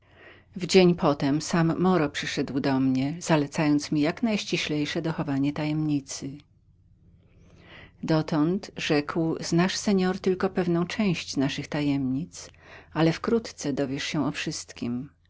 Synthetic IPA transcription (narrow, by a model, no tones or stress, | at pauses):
vd͡ʑeɲpʰɔt̪ɛmsamːɔɾɔpʂɘʂɛd̪wd̪ɔmɲɛz̥alɛt̪sajɔnt̪smʲijaknajɕt͡ɕiɕlɛjʂɛd̪ɔxɔvaɲɛt̪ajɛmɲit̪sɘ | d̪ɔt̪ɔnt̪ʐɛkwznaʂsɛɲɔɾt̪ɘlkɔpɛvn̪ɔ̃w̃t͡ʂɛ̃w̃ɕt͡ɕznaʂɘxt̪ajɛmɲit̪s | alɛfkɾut̪t̪sɛd̪ɔvʲjɛʂɕɛ̃ɔfʂɘst̪kʲim